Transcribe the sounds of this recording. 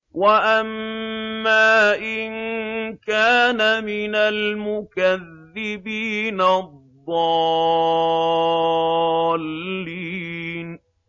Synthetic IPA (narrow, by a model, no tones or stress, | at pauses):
waʔamː | aːʔɪnkaːnamɪnalmʊkaðːɪbiːnaððˤːɑː | lːiːn